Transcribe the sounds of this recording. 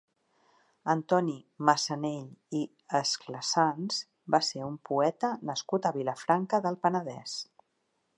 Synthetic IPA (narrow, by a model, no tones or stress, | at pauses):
ənt̪ɔniməsəneʎi | əskləsanz | baseumpuɛt̪ənəskut̪əβiləfɾaŋkəðəlˠpənəðɛ̰s